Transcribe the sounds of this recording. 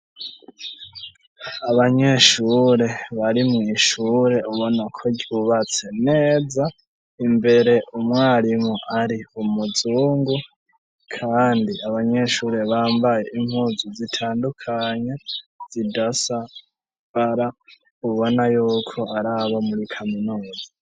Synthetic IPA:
aβaɲe̞ʃuɾe̞βaɾimŋiʃuːɾe̞uβo̞nakʰoɟuβat͡se̞ne̞ːza | imbe̞ɾe̞ʔumŋaːɾimuʔaɾiumud͡zuːŋɡu | kʰaːndiaβaɲe̞ʃuɾe̞βaːmbaje̞ʔim̥huzuzitʰaːndukʰaɲez̥idasa | βaɾa | uβo̞najuːkʰo̞aɾaβomuɾikʰaminuːza

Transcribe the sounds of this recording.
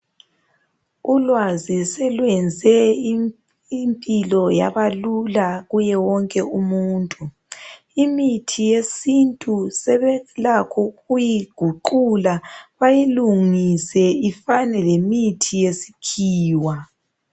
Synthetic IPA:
ulwazisɛlwɛnd͡zʱɛ | impʼilɔja̰βalulaɣujɛwɔŋkʼɛumuːntʼu | imitʰijesintʼusɛβɛlakʰɔɣujiɡ̥ʱuǃulaβajiluŋisɛifanɛlemitʰijesi̥kʰiːwa

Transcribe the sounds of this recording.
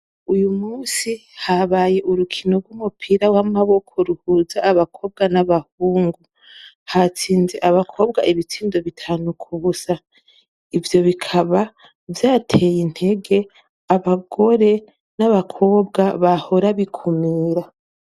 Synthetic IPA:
ujumuːsihaβaːje̞ʔuɾukʰino̞ɡwumupʰiːɾawamaβo̞kʰo̞ɾuhuːzaːβakʰo̞ːb̚ɡanaβahuːŋɡu | hat͡siːnze̞ʔaβakʰo̞ːb̚ɡaʔiβit͡siːndoβitʰaːnukʰuβusa | ivjo̞βikʰaβa | vjaːtʰejin̥he̞ɡe̞ | aβaɡo̞ɾe̞ | naβakʰo̞ːb̚ɡaβaho̞ɾaβikʰumiːɾa

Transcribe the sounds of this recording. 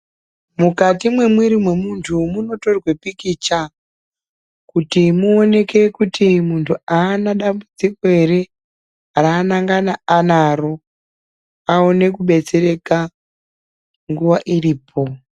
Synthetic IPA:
mukatimwe̞mwiɾimwe̞muntʰumuno̞to̞rwepikit͡ʃa | kutimuone̞ke̞kutimuntʰuaːnaɗambud͡ziko̞e̞ɾe̞ | araːnaŋɡanaanaɾo̞ | aone̞kuɓe̞t͡se̞ɾe̞ka | ŋɡuʋaʔiriːpʰo̞

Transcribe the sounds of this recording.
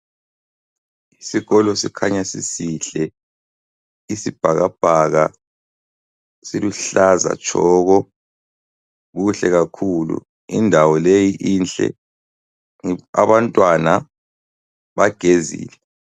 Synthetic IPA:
isiɣɔlɔsikʰaɲasisiɬɛ | isib̥ʱaɣab̥ʱaɣa | siluɬaza̰t͡ʃʰʼɔːɣɔ | ɣuɬɛɣakʰulṵ | indʱawɔlejiʔint͡ɬʼɛ̰ | a̰βantʼwana | βaɡ̥ʱezḭːlɛ

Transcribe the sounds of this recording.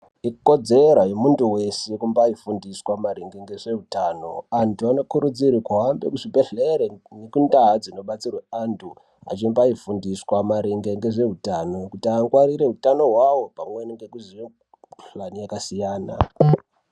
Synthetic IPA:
ikko̞d͡zeɾajemuntuwe̞sekumbaifundiswamaɾeŋɡeŋɡe̞ʐe̞ɦutaːno̞̰antʰuano̞kuɾud͡zirikuɦambe̞̰kuʐibʱe̞ɮeɾenekundaɦad͡zino̞ɓat͡sirweantʰu | a̰t͡ʃimbaifundiswamaɾiŋɡeŋɡe̞ʐe̞ɦutano̞kutiaŋɡwaɾiɾe̞ɦutano̞ɦwawo̞pamweniŋɡekuziʋe | ɬanijakasijaːna̰

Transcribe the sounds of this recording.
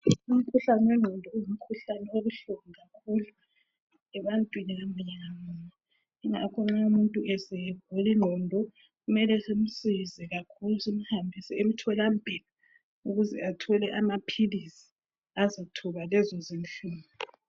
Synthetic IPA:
um̩kʰuɬanɛwɛŋ͡ǁʱɔndʱɔujum̩kʰuɬanɛoβuɬuŋiɣakʰulu | ɛβantʼwiniɣamuɲɛŋamuna | ɛŋakʰɔŋ͡ǁaumuntʼuʔɛsɛβ̥ʱoliŋ͡ǃʱɔndʱɔ | ɣumɛlɛsem̩sizɛɣakʰulusem̩hambʱisɛem̩tʰɔlambʱila | uɣuzɛ̰atʰɔlɛʔamapʰilisi̥ | azatʰuβalɛzɔzinɬuːmɔ

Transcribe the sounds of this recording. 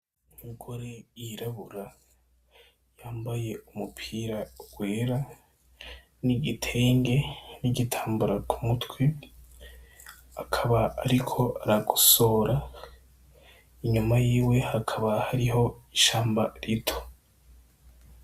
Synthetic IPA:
imiɡo̞ɾe̞jiɾaβuɾa | jaːmbaje̞umupʰiːɾauɡ̥weːɾa | niɡitʰeːŋɡe̞niɟitʰḁːmbuɾakʰumutwi | akʰaβaːɾikʰo̞aɾaɡuso̞ɾa | iɲumajiːwe̞hakʰaβahaɾiho̞iʃaːmbaɾitʰo̥

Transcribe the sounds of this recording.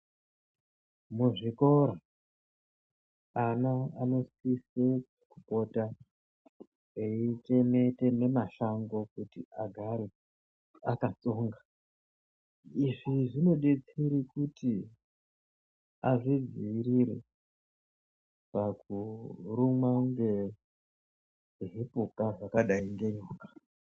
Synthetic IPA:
muʐiko̞ɾa | anaano̞sise | kupo̞ta | eit͡ʃe̞me̞te̞ne̞maʃaŋɡo̞kutiaɡʱaɾe | akat͡so̞ːŋɡa | iʐiʐino̞ɗet͡siɾikuti | aʐid͡ziiriɾḛ | pakurumwaŋɡe̞ | ɦipukaʐakaɗaiŋɡe̞ɲoːkḁ

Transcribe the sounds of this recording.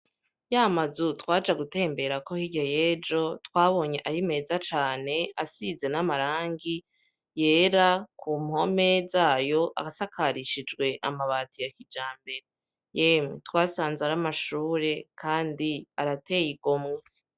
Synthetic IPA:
jamazutwaːd͡ʒaɡute̞ːmbe̞ɾako̞hiɟaje̞ːd͡ʒo̞twaːβo̞ːɲe̞ʔaɾime̞ːzat͡ʃaːne̞asize̞namaɾaːŋɡi | jeːɾakuːmho̞mezaːjo̞ʔa̰asakʰaɾiʃid͡ʒɡwe̞ʔamaβaːtijakid͡ʒaːmbe̞ɾe | jemetwaːsaːnzaɾamaʃuːɾe̞kʰaːndiaɾate̞ːjiɡomŋe

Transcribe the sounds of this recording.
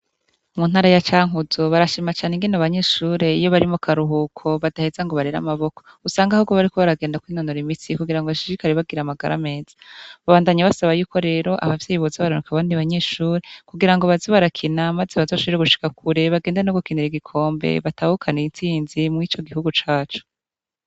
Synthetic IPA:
muːnhaːɾajat͡ʃaːŋuzoβaɾaʃimat͡ʃaːneŋɡinaβaɲe̞ːʃuːɾe̞ijo̞βaɾimokʰaɾuɦukʰo̞βadahezaŋɡo̞βaɾeɾa̰maβo̞kousaːŋɡahuɡoβaɾikoβaɾaɡeːndakwiːnonoɾimitikuɡiɾaŋɡoβaʃiɾikaɾeβaɡiɾamaɡa̰ɾa̰me̞ːz̥ḁβaβaːndaɲaβasaβajuːko̞ɾe̞ːɾo̞ʔa̰βavjejiβozaβaɾonokaβaːndiβaɲe̞ːʃuːɾe̞kuɡiɾaŋɡoβaziβaɾakʰinamazeβaziaʃuɾeɡuʃi̥kakʰuɾe̞βaɡeːndenoɡukiniɾiɡikʰo̞ːmbḛβataːhukʰaneint͡siːnzimŋit͡ʃo̞ɡihuɡut͡ʃaːt͡ʃu̥

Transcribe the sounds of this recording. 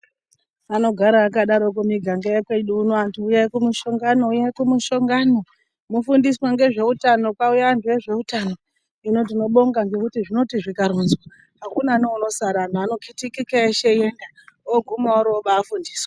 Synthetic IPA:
ano̞ɡʱaɾaːkaɗaɾo̞kumiɡʱaŋɡajekweɗuːnoantʰuːjakumuʃo̞ŋɡanoujakumuʃo̞ŋɡano̞ | mufundiswaŋɡe̞ʐe̞utano̞kwaujaːntue̞ʐe̞utano̞ | ino̞tino̞ɓo̞ŋɡaŋɡe̞kutiʐino̞tiʐikaɾunzwa | ɦakunaneuno̞saɾanoano̞kʰitikikaeʃejenda | oɡʱumauɾoɓaːfundiːswa

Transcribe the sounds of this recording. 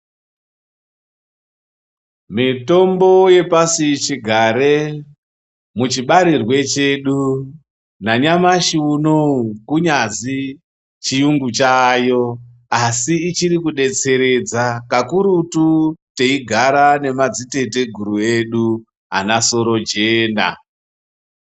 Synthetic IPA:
mito̞mbo̞je̞pasit͡ʃiɡʱaɾe | mut͡ʃiɓaɾirwe̞t͡ʃe̞ːɗu | naɲamaʃiunoukuɲazi | t͡ʃijuŋɡut͡ʃaːjo̞ | asiːt͡ʃiɾikuɗe̞t͡se̞ɾe̞d͡zakakuɾutute̞iɡʱaɾane̞mad͡zite̞te̞ɡʱuɾue̞ɗu | a̰naso̞ɾo̞d͡ʒeːna̰

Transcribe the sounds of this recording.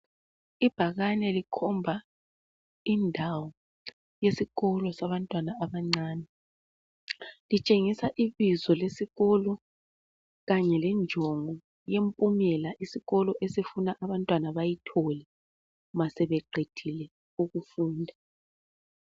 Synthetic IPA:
ib̥ʱaɣanɛlikʰɔmbʱa | indʱawɔ | jesiɣɔlɔsaβantʼwanaʔaβaŋ͡ǀaːnɛ | lit͡ʃʼeŋisaʔiβizɔlesiɣɔlɔ | ɣaɲɛlɛnd͡ʒʱɔŋɔ | jempʼumɛlaʔisiɣɔlɔʔesifunaʔaβantʼwanaβajitʰɔlɛ | umasɛβɛǃʱed̥ʰʱilɛ | uɣufuːndʱa

